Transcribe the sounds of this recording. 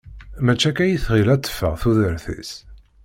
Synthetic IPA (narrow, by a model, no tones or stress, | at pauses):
mæt͡ʃːækæjiθʁilæt̪ːə̥fːə̰ʁθuðəɾθḭs